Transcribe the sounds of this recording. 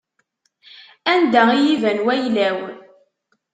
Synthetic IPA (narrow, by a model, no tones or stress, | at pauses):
ænd̪æijivænwæjlæw